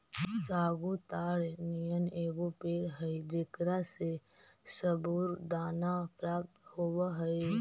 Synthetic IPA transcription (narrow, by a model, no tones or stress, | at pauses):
saːɡut̪aːɽnijəneːɡopeːɽɦəid͡ʒɪkɾase | səbuːɾd̪aːnapɾaːp̚t̪hoːwaɦəi